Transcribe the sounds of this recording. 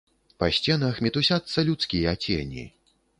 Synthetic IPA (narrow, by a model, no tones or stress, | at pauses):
pɐsʲt͡sʲɛnɐxmʲɛt̪usʲat̪sːɐlʲut̪skʲijɐat͡sʲḛnʲḭ